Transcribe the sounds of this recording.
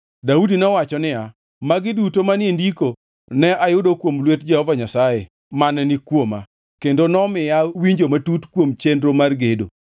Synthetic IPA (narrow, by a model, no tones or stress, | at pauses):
daudinɔwat͡ʃɔnɪa | maɡɪdutomanendiko | nɛajʊdokwomlwetd͡ʒɛhɔvaɲasaje | manɛnɪkwoma̰ | kendonɔmɪjawiɲd͡ʒomatutkwomt͡ʃendɾomarɡedo̰